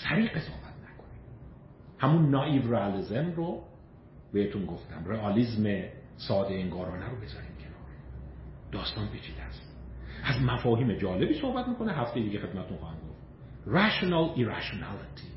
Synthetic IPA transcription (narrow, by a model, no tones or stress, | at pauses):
sæɾiːqe̞sɒhbæt̪̚ʰnækʰo̞ni | hæmunːɒivreælizemɾo | behet̪unɡo̞ft̪æ̰mreɒliːzme | sɒːd̪eeŋɡɒːɾɒːnæɾobe̞zɒ̰ɾiːmcʰenɒːɾ | d̪̥ɒːst̪ɒːnpʰiːt͡ʃʰiːd̪æst̪ʔæzmæfɒːɦiːmed͡ʒɒːle̞biːso̞hbæt̪̚miːkʰo̞neɦæft̪e̞jed̪iːɟexed̪mæt̪et̪unxːhæmɡoft̪ | ræʃonæliɾæʃonælit̪ʰi